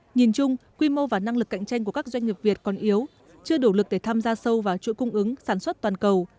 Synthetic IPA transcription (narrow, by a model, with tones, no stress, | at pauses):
ɲi˨˩nt͡ɕʊ˧ŋ͡mkwi˧mo˧vaː˨˩na˧ŋlɨ˨˩kːa̰˧˨jŋ̟t͡ɕa˧jŋ̟ku˧˩əkaː˦˥k̚zwa˧jŋ̟ɲi˨˩p̚vi˨˩ət̚kɔ˨˩nʔi˨˦əw | t͡ɕɨ˧əɗo˧˩lɨ˨˩k̚ɗe˧˩t̪ʰaː˧mzaː˧sə˧wvaː˨˩t͡ɕṵ˧˥kʊ˧ŋ͡mʔɨ˨˦ŋsaː˧˩nswə˦˥t̚t̪waː˨˩nkə˨˩w